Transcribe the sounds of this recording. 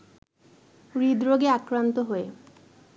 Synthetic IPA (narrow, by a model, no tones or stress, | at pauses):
ɾid̪ɾoɡeakɾant̪oɦoe